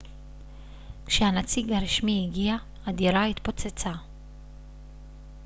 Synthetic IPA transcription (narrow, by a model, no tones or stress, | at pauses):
kʃeanat͡siɡaɾiʃmiiɡia | ad̪iɾait̪po̞t͡set͡sa